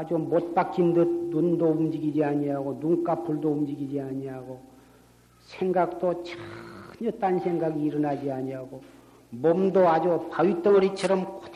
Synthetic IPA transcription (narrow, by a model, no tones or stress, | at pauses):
ad͡ʑumʌt̚p͈ak͈indɯt̚nundoumd͡ʑiɡid͡ʑiaɲiɦaɡonuŋk͈apʰuɭdoumd͡ʑiɡid͡ʑiaɲiaɡo | sʰeŋɡak̚t͈ot͡ɕʰaɲʌt͈ansʰe̞ŋɡaɡiːɾɯnad͡ʑiaɲiɦaɡo | mʌmdoad͡ʑupaɥit͈ʌŋʌɾit͡ɕʰʌɾʌmko